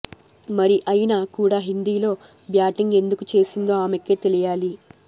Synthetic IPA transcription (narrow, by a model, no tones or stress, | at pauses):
mɐɾiʔɐjnaːkuːɽaːɦind̪iːlo̞ː | bjaːʈiŋɡe̞nd̪ukut͡ʃe̞ːsind̪o̞ːaːmekːe̞ːt̪e̞lijaːli